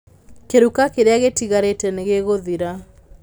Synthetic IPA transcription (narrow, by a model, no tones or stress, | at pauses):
keɾukakeɾeaɣetiɣaɾetɛneɣeɣoðiɾa